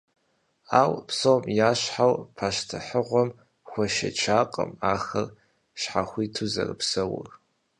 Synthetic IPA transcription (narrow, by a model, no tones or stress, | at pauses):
aːwpsoːmjaːɕħawpʰaːʃtʰɨħəʁʷɔm | xʷɔʃɐ̰t͡ʃʰaːqʼə̰maːxɐr | ɕħaxʷiːtʰuzɐ̰rɨpsɐwʊ̰r